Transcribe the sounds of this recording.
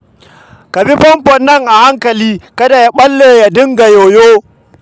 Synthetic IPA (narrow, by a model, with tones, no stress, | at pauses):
ka˨bi˦ɸɐ˦mɸɔ˨nːɐ˦˨ŋʔa˨ha˦ŋkɐ˨liː˦kɐ˦da˨ja˦ɓɐ˦lːeː˨ja˨dɪ˦ŋɡa˨joː˨joː˦